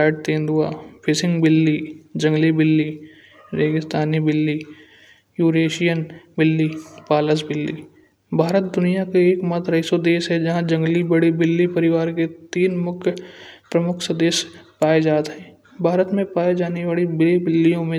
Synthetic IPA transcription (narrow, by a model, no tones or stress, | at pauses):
aːɪʈ̚t̪ẽːnd̪uaːpʰɪsɪ̃ŋɡbɪlːid͡ʒə̃ŋɡlibɪlːi | ɾeːɡɪst̪aːnibɪlːi | juːɾeːʃijənbɪlːipaːləsbɪlːḭː | bʱaːɾət̪̚d̪ʊnijakeeːkmɐt̪ɾɐɪsod̪eːʃɦɛ̃d͡ʒɐɦãd͡ʒɐ̃ŋɡlibəɽibɪlːipəɾɪʋaːɾket̪iːnmʊkʰjpɾəmʊkʰsəd̪eːspaːed͡ʒaːt̪ɦɛ̃ː | bʱaːɾət̪mẽpaːed͡ʒaːneʋaːɭibɪlibɪlːijõmẽ